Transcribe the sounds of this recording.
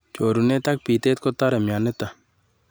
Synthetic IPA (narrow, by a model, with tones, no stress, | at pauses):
t͡ʃo˨ɾu˨ne˦t̪a˦k̚pi˨t̪e˦t̪̚ko˦ta˦ɾɛ˨mja˨nɛ˦ta˨